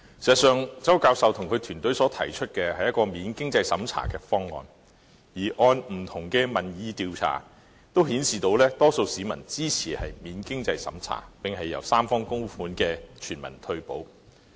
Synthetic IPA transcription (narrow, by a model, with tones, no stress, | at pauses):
siː˨˩ztsœː˨˧ŋt͡sɐ˥wkaː˧wsɐ˨wt̪ʰʊ˨˩ŋkʰɵ˨˧t̪ʰyː˨˩nt̪ɵ˨˥sɔː˨˥t̪ʰɐ̰˨˩jt͡ʃʰɵ˥t̚kɛː˧hɐ˨jɐ˥tkɔː˧miː˨˧nkɪ˥ŋt͡sɐ˧jsɐ˨˥mt͡sʰa̰ː˨˩kɛː˧fɔː˥ŋːɔ̰ː˨˧n | jiː˨˩ʔɔː˧nm̩˨˩t̪ʰʊ˨˩ŋkɛː˧mɐ˨˩njiː˨˧t̪iː˧wt͡sʰa̰ː˨˩ | t̪o˥whiː˨˥nsiː˨t̪o˧wlɛː˥t̪ɔː˥so˧wsiː˨˥mɐ˨˩nt͡siː˥t͡sʰiː˨˩hɐ˨jmiː˨˧nkɪ˥ŋt͡sɐ˧jsɐ̰˨˥mt͡sʰa̰ː˨˩pɪ˨ŋhɐ˨jːɐ̰˨˩wsaː˥mfɔː˥ŋkʊ˥ŋ˥fuː˨˥nkɛː˧t͡ʃʰyː˨˩nmɐ̰˨˩nt̪ʰɵ˧ɥpo̰˨˥w